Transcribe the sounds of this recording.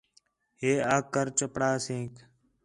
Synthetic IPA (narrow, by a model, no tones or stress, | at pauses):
heːaːkːəɾt͡ʃəpɽaːsẽːk